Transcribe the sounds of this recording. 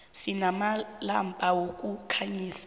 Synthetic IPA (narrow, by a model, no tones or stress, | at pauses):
sinamala̰mpʼawokʼukʰaɲiːsḁ